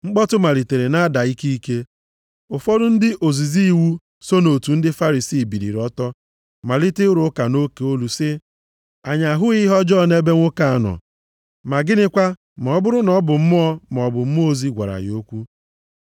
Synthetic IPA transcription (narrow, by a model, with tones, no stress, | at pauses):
ŋ͡m̩˦k͡pɔ˦tʊ˦ma˨li˨te˨ɾe˨na˦da˨i˦ki˦i˦ke˦ | ʊ˨fɔ˦dʊ˦n̩˦dɪ˦ʔo˨zi˨zi˦i˦˨wu˦ | so˦no˨tu˨n̩˦dɪ˦fa˦ɾi˨siː˦˨bi˨ɾḭ˨ɾɔ˦tɔ˦ | ma˨lɪ˦tɪ˦ɾʊ˦ka˨no˦ke˨o˦lu˨sɪ˦ | a˨ɲa˨ɦʊ˦ɣɪ˦ɦɔ˦d͡ʒɔ˦˨ne˦be˦ŋʷʊ˦ka˦a˦nɔ̰˨ | ma˨ɡɪ˦nɪ˦kʷa˦ | mɔ˨ɔ˦bʊ˦ɾʊ˦nɔ˦bʊ˨m̩˦mʊ˦ɔ˦m˨ɔ˨bʊ˨m̩˦m˦o˦zi˦ɡʷa̰˨ɾa̰˨ɣ̰o˦kʷu˦